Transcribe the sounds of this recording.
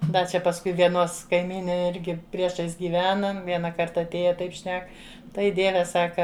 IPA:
ˈdɐ t͡ʃʲɛ pɐsˈkʊɪ ʋʲiɛˈnoːs kɐɪˈmʲiːnʲeː ˈɪrʲɡʲɪ pʲrʲiɛˈʃɐɪs ɡʲiːˈʋʲæːnɐm ˈʋʲiɛnɐ ˈkɐrtɐ ɐtʲˈeːjɛ ˈtɐɪp ˈʃʲnʲɛk ˈtɐɪ ˈdʲiɛʋʲɛ ˈsɑːkɐ

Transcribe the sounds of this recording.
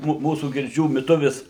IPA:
ˈmuː ˈmuːsuː ɡʲɪrʲˈd͡ʒʲuː mʲɪˈtʊʋʲɪs

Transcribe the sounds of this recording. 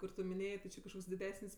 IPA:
kʊr ˈtʊ mʲɪnʲˈeːjeː tʲɪ ˈt͡ʃʲɪ kɐʃˈkoːks dʲɪˈdʲæːsʲɪnʲsʲ

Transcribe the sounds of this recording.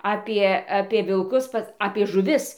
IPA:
ˈɑːpʲiɛ ɐpʲiɛ ʋʲɪlˠˈkʊs ˈpɐs ɐpʲiɛ ʒʊˈʋʲɪs

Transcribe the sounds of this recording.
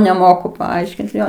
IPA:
nʲɛˈmoːkʊ pɐˈɐɪʃʲkʲɪnt ˈjoː

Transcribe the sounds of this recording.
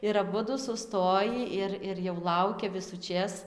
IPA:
ɪr ɐˈbʊdʊ sʊˈstoːjiː ˈɪr ɪr jɛʊ ˈlˠɐʊkʲɛ ʋʲɪsʊˈt͡ʃʲeːs

